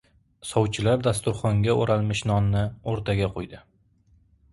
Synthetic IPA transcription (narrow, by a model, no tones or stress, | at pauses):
sɒwt͡ʃʰɪlaɾd̪ast̪ʊɾχɒŋɡʲaoɾalmɪʃnɒnːɪoɾt̪ʰaɡʲaqʰojd̪ɪ